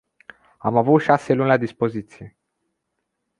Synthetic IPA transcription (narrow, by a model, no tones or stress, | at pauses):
amavut̪ʃaselunʲlad̪ispo̞zit̪sije̞